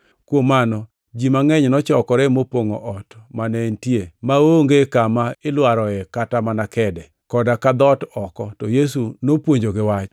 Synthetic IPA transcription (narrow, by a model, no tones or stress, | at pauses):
kwomanɔ | d͡ʒimaŋɛɲnɔt͡ʃɔkɔɾɛmopoŋoʔɔtmanɛntjemaoŋɡekamaɪlwaɾɔɛkatamanakɛdɛ | kɔdakad̪ɔtɔkɔtɔjes̬unopwoɲd͡ʒoɡɪwat͡ʃ